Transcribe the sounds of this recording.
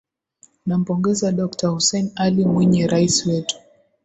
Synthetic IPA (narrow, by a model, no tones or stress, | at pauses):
nam̩pɔŋɡɛzaɗɔktahusɛnalimwɛɲɛɾaisiwɛtu̥